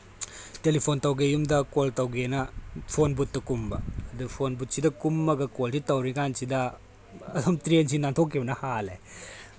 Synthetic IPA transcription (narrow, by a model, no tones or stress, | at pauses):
telipʰontɐwɡejumdɐkoltɐwɡenɐpʰonbut̚ːɐkumbɐ̰ːdupʰonbut̚sidɐkumːɐɡɐkolsitɐwɾikansidɐ | ɐdɔmtɾens̬inantʰokʰːibɐnɐhalḛ